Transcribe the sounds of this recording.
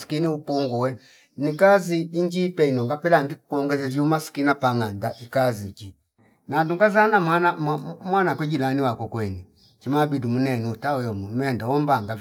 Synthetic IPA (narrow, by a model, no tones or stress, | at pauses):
si̥kiniupɔŋɡɔwɛ | nikaziːɲd͡ʒipɛinɔŋɡapɛlaŋɡikukuɔŋɡɛzɛvjumasi̥kinapaŋandaʔikaziki | nanduŋɡazanamanammwanakwɛd͡ʒilaniwakɔkwɛni | t͡ʃimabidumunɛniutawɔjɔmumɛndawɔmbaŋɡa